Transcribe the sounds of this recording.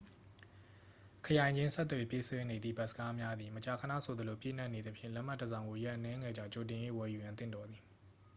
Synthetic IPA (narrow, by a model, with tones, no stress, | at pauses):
kʰəjã˨ɪ̃ɲd͡ʑɪ̃˦nsɛ˦t̪ːwɛ˨pjḛ˦˨swɛ˦ne˨d̪ðḭ˦˨ba˦˨ʔsə̥˦ka˦mja˦d̪i˨mət͡ɕa˨kʰəna̰˦˨sʰo˨d̪ə˨lo˨pjḛ˦˨n̥a˦˨ʔne˨d̪ə˨pʰjɪ̰̃˦˨lɛ˦ʔm̥a˦˨tːəzã˨ʊ̃ŋɡo˨jɛ˦ʔənɛ̃˦ŋɛ˨d͡ʑã̰˦˨t͡ɕo˨t̬ɪ̃˨je˦˨wɛ˨ju˨jã˨nt̪̬ɪ̰̃˦˨dɔ˨d̪ði˨